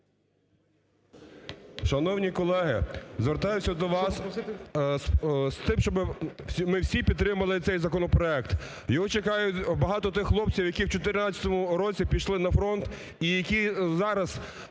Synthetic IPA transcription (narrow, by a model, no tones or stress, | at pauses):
ʃɐnɔwnʲikɔlˠɛɦɪ̰zʋeɾt̪ɑjʊsʲɐd̪ɔʋɑs | st̪ɪmʃt͡ʃɔbɪmɪwsʲipʲid̪t̪ːɾɪmɐlˠɪt̪ɛjzɐkɔnɔpɾɔɛkt̪ | jɔɦɔt͡ʃekɑjʊbɐɦɑt̪ɔt̪ɪxxlˠɔp̚t͡sʲiwjɐkʲiwt͡ʃɔt̪̬ɪɾnɑt͡sʲɐ̥t̪ɔmʊɾɔt͡sʲipʲiʃlˠɪnɐfɾɔnt̪ | ijɐkʲizɑɾɐz